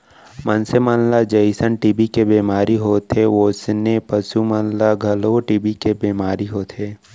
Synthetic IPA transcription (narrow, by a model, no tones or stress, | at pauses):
mənsemənlad͡ʒəɪsənʈiːbikebeːmaːɾiɦoːt̪ʰeʋoːsnepəsumənlaɡʱɐloʈiːbikebeːmaːɾiɦoːt̪ʰɦeː